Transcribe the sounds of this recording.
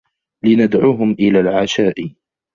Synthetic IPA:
lɪnad̪ʕuːɦʊmʔɪlaːlʕaʃaːʔ

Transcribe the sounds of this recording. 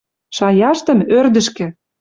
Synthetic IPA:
ʃɑjɑʃt̪ə̆mørd̪ə̆ʃkĕ

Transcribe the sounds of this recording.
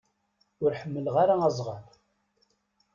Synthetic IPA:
ʊɾħəmːəlʁaɾaæzˤʁɑɾ

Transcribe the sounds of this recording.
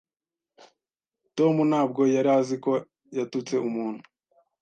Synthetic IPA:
to̞munaːb̚ɡo̞jaɾaziko̞ | jatut͡se̞umuːn̥hu̥

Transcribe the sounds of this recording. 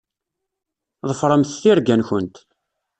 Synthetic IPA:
ðˤəfɾˤəmθθiɾɡænçənt̪

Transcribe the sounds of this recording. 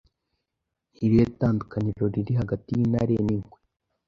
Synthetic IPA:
iɾietaːndukaɲiʒoɾiɾiɦaɡatijina̰ɾeniŋɡwe

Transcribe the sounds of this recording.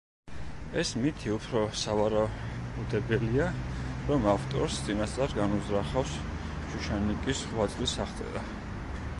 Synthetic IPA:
ɛsmit̪ʰiupʰɾɔsavaɾaud̪ɛbɛliaɾɔmaft̪ʼɔ̰ɾst̪sʼinast̪sʼaɾɡanuzɾaχafs | t͡ʃʰuʃanikʼisχwat̪zʼlisaχt̪sʼɛ̰ɾa

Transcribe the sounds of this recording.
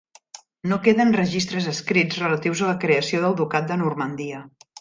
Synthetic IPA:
nokeðənrəʒist̪ɾəzəskɾid͡zrələt̪iwzələkɾeəsioðəlˠd̪ukat̪̚d̪ənurmənd̪iə

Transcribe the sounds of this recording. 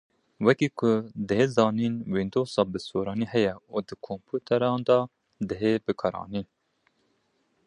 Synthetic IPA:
wɛkiːkʰʊd̪ɨheːzɑːniːnwind̪oːsɑːbɨsoːɾɑːniːhɛjɛuːd̪ɨkʰompʰuːt̪ʰɛɾɑːnd̪ɑ | d̪ɨɦeːbɨkʰɑɾɑ̰ːniː

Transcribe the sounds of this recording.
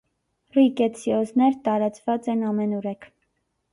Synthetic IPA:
rikɛt͡sʰiɔznɛɾt̪ɑɾɑt͡svɑt͡sɛnɑmɛnuɾɛkʰ

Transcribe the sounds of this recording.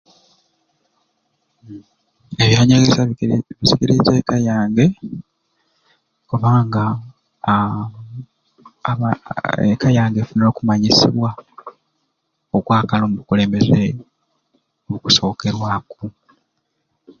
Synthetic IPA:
eβjaːɲeɡeβisiɡeɾezekajaːŋɡe̞ | oβaːŋɡa | ekajaːŋɡefuno̞ːkumaɲisḭβwa | okwaːkalomuβukule̞ːmbe̞ze | oβuku̥so̞ːke̞ɾwaku

